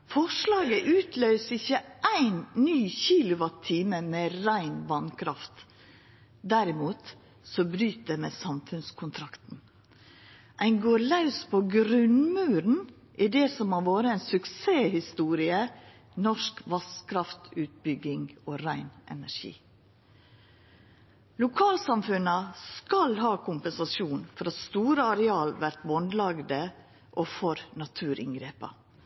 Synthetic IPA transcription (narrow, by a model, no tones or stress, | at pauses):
fɔʂlɑːɡəʔʉːt̪ʰlœʏsɪçəʔæɪnnyːçiːlʊʋɑt̪ʰːiːməmeːɾæɪnbɑnkʰɾɑft̪ | d̪æɾɪmuːt̪ | sɔbɾyːt̪̚d̪emeːsɑmfʉnskʰʊnt̪ʰɾɑkt̪n̩ | ʔæɪnɡoːɾlɑʉspʰoːɡɾʉnmʉːɾn̩ | ʔɪd̪eːsɔmhɑʋoːɾəɛnsʉkseːhɪst̪uːɾɪə | nɔʂkʋɑskʰɾɑft̪ʉːt̪̚bʏɡɪŋɡoːɾæɪnʔɛ̰næɾʂḭː | lʊkʰɑːlsɑmfʉnəskɑlɦɑːkʰʊmpɛnsɑsjuːnfɔɾɑt̪st̪uːɾəɑɾɛɑːlʋæɾt̪ʋɔnd̪lɑɡd̪ə | ʔɔfɔɾnɑt̪ʰʉːɾɪ̰ŋɡɾeːpɑ̰